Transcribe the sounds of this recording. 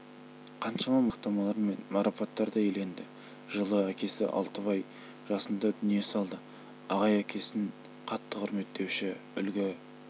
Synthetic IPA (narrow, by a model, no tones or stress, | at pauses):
qʰɑnʃɑmɑmɑq̚t̪ɑmɑlˠɑɾme̞nmɑɾʔɑpɑt̪ːɑɾd̪ɑjele̞nd̪ɪ | ʒəlˠəækʲe̞sɪ̰ʔɑ̰lˠt̪əβɑj | ʒɑsənd̪ɑd̪ʏnije̞sɑlˠd̪ə | ɑʁɑjækʲʰe̞sɪŋ | qʰɑt̪ːəqʰʊɾme̞t̪ʰːe̞wʃɪʏ̰lɡʲɪ